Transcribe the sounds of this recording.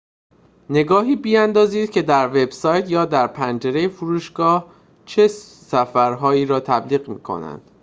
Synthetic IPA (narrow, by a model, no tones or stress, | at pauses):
ne̞ɡɒːɦiːbiænd̪ɒːziːd̪̥̚cʰe̞d̪æɾve̞b̥sɒːjt̪ʰjɒːd̪æɾpʰænd͡ʒeɾe̞jefuɾuːʃɡ̥ɒːh | t͡ʃʰe | sæfæɾɦɒːiːɾɒːt̪ʰæbliːɣmḭːkʰo̰næ̰nd̪̥